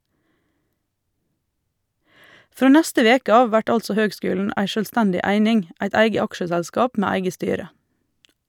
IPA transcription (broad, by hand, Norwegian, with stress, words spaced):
ˈfɾoː ˈnæstə ˈʋeːkə ˈɑː ˈʋæʈ ˈɑlsɔ ˈhøːɡˌskʉːlɳ̩ ˈæɪ ˈʃøːlˌstɛndɪ ˈæɪnɪŋ ˈæɪt ˈæɪɡə ˈɑkʃəsɛlˌskɑːp ˈmæː ˈæɪɡə ˈstyːɾə